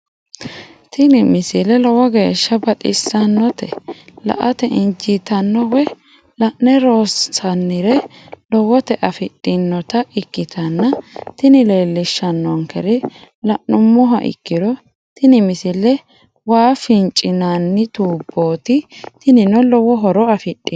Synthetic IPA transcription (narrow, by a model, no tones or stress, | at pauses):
t̪ɪnɪmɪsɪlɛlɔwɐɡe̞ːʃːɐbɐt̪ʼɪ̰sːɐnːɔt̪ɛ̰lɐ̰ʔɐt̪ɛʔɪnd͡ʒɪt̪ɐnːɔwɛ | lɐʔːɛɾoːssɐnːɪɾɛlɔwɔt̪ɛʔɐfɪɗʼːɪnːɔt̪ɐɪkːɪt̪ʰɐnːɐt̪ɪnɪle̞ːlːɪʃːɐnːɔŋkɛɾɪ | lɐʔːʊmːɔɦɐ̰ʔɪ̰kːɪɾɔ | t̪ɪnɪmɪsɪlːɛ | waːfɪnt͡ʃʼɪnanːɪt̪uːbːo̞ːt̪ɪt̪ɪnɪnɔlɔwɔɦɔɾɔɐfɪtʼːɪ